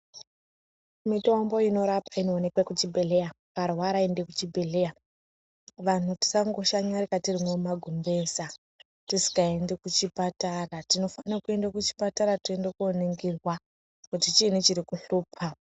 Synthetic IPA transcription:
mitombo̞ino̞ɾapainoːne̞kwekut͡ʃibʱe̞ɮeja | parwaɾaendekut͡ʃibʱe̞ɮeja | ʋan̤uti̥saŋɡo̞ʃaɲaɾikatirimwomaɡʱumbe̞ːsa | tisi̥kae̞ndekut͡ʃipataratino̞fanirakue̞ndekut͡ʃi̥pataɾatie̞ndekuoneŋɡirwa | kutit͡ʃinut͡ʃiɾikuɬuːpʰa

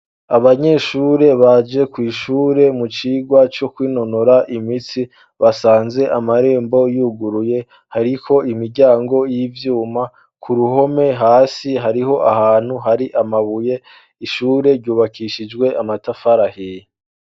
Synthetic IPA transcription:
aβaɲe̞ːʃuːɾe̞βad͡ʒe̞kwiːʃuːɾe̞mut͡ʃiːɡwat͡ʃo̞kwiːno̞noɾaʔimit͡si | βasaːnze̞ʔamaɾe̞ːmbo̞juːɡuɾuje̞ | haɾikʰo̞ʔimiɾɟaːŋɡo̞jivjuːma | kʰuɾuɦo̞me̞ɦaːsiɦaɾiɦo̞ʔaɦaːn̥huɦaɾiʔamaβuje̞ | iʃuːɾe̞ɾɟuːβakiʃid͡ʒɡwe̞ʔamatafaɾahij

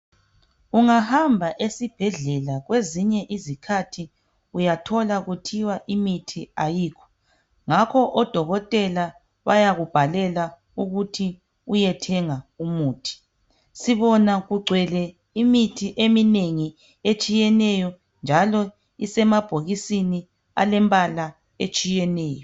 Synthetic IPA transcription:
uŋahambʱaʔesib̥ʱɛɮɛlaɣweziɲɛʔizikʰatʰi | ujatʰɔlaɣutʰiwaʔimitʰiajiːkʰɔ̥ | ŋakʰɔʔɔd̥ʱɔɣɔtʼɛla | βajaɣub̥ʱalɛla | uɣutʰi | ujɛtʰɛŋaumuːtʰi̥ | siβɔnaɣuɡ͡ǀʱwɛlɛ | imitʰiʔemineŋi | et͡ʃʼijɛnɛjɔ | nd͡ʒʱalɔ | isɛmab̥ʱoɣisini | a̰lɛmbʼala | et͡ʃʼijɛnɛːjɔ

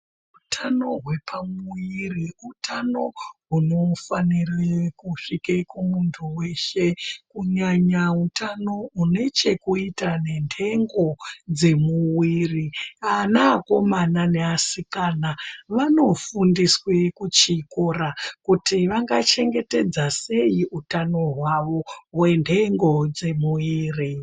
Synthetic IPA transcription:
utʰano̞ɦwe̞pʰamuiriutʰano̞ɦuno̞fanirekuʂikekumuntʰuwe̞ʃe̞kuɲaɲautano̞une̞t͡ʃe̞kuitane̞ntʰe̞ŋɡo̞d͡ze̞muwirianaːko̞manane̞asikanaʋano̞fundiswekut͡ʃikorakutiʋaŋɡat͡ʃe̞ŋɡe̞te̞d͡zase̞iʔutano̞ɦwaʋo̞wendʰe̞ŋɡo̞d͡ze̞muwiːri

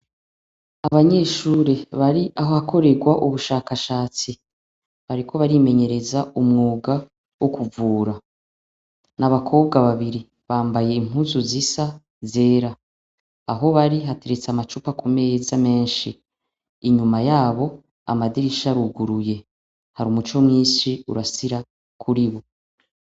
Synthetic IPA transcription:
aβaɲe̞ːʃuːɾe̞βaɾiʔaɦohakʰo̞ɾe̞ɡwaʔuβuʃaːkaʃaːt͡si | βaɾikʰo̞βaɾime̞ɲe̞ɾe̞zaumŋuːɡa | wokuvuːɾa | naβakʰo̞ːβɡaβaβiɾi | βaːmbaje̞im̥uzuzisa | ze̞ːɾa | aɦo̞βaɾiɦate̞ɾe̞t͡samat͡ʃupakʰome̞jezame̞ːnʃḭː | ɲumajaːβo̞ | a̰madiɾiʃaɾuɡuɾuje̞ | haɾumut͡ʃo̞mŋiːʃiṵɾasiɾa | kʰuɾiβo̞

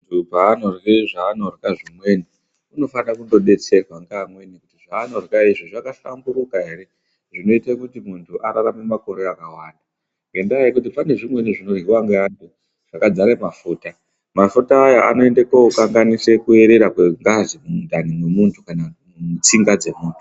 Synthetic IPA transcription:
tupaːnorreʐaːnorkaʐimweni | uno̞fanirakundo̞ɗe̞t͡se̞rwaŋɡamwe̞nikutiʐaːno̞rkaiʐiʐakaɬamburukaɦe̞re̞ | ʐino̞itekutimuntʰuʔaɾaramemako̞ɾeakawaːnda | ŋɡe̞ndaikut̬ipane̞ʐimweniʐino̞rɦiwaŋɡeantu | ʐ̥akad͡zaɾemafuːta | mafutaːjaa̰no̞e̞ndekoukaŋɡanise̞kue̞ɾe̞ɾakeŋɡazimumudanimwemuntʰu̥kana | ut͡siŋɡad͡ze̞muːntʰu̥

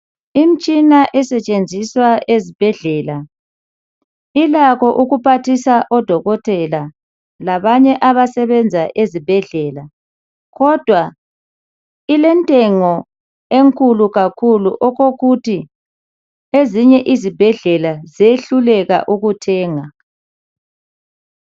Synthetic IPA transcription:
im̩t͡ʃʼinaʔɛsɛt͡ʃʼend͡zʱiswaezib̥ʱɛɮɛːla | ilakɔʔuɣupʰatʰisaʔɔd̥ʱɔɣɔtʰʼɛla | laβaɲɛʔaβasɛβɛnd͡zʱaʔezib̥ʱɛɮɛla | ɣɔd̥ʱwa | ilɛntʼɛŋɔ | eŋkʼuluɣakʰuluʔɔɣoɣuti | eziɲɛʔizib̥ʱɛɮɛlazeɬulɛɣa̰ʔuɣutʰɛːŋa

